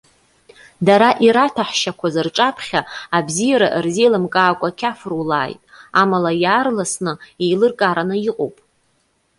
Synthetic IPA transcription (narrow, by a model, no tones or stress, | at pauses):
daɾaʔiɾatʰaħʃakʷʰazɨrʈ͡ʂʼapʰχʲaːbzijaɾaʔrzilamkʼaːkʷʼakʲʰafrwlaːjtʼamalajaːrlasnɨejlɨrkʼaɾanɨiqʼo̰wpʼ